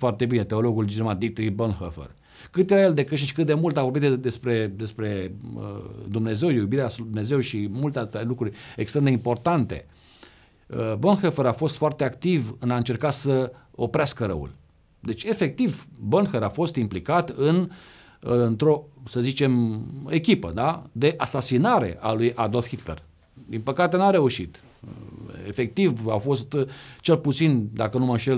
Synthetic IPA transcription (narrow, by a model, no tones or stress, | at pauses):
foart̪e̞bine̞t̪e̞o̞lo̞ɡuld͡ʒilomad̪ik̚t̪ɾibonxəfḛr | kɨt̪jeɾajeld̪e̞kɨʃ̬iʃʲkɨt̪̚d̪e̞mult̪avo̞rbit̪d̪e̞spɾe̞d̪e̞spɾe̞ə̰d̪umne̞ze̞wjubiɾesd̪umne̞ze̞wʃimult̪ealt̪elukɾurʲekst̪ɾend̪eimpo̞rt̪ant̪e̞̰ | əbonxəfəɾafo̞st̪foart̪eakt̪ivɨnaɨnt͡ʃe̞rkat̪səo̞pɾeaskəɾə̰wṵl | d̪e̞t͡ʃʲe̞fe̞k̚t̪ivbonxeɾafo̞st̪implikat̪ɨn | nt̪ɾo̞səzit͡ʃe̞me̞kʲipə̰d̪ad̪e̞ʔasasinaɾe̞̰ʔalujʔad̪o̞lfxit̪ler | d̪inpəkat̪e̞naɾe̞uʃit̪ | ḛfek̚t̪ivafo̞st̪t͡ʃe̞lput̪sind̪akənuməʃel